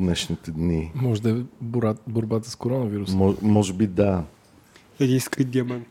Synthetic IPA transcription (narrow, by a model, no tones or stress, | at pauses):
nɛʃnit̪ɛd̪nimɔʒɛd̪ɐɛboɾaboɾbat̪əskoɾɔnəviɾusmɔmɔʒɛbid̪a | ɛd̪ĩnskid̪ʲiɐman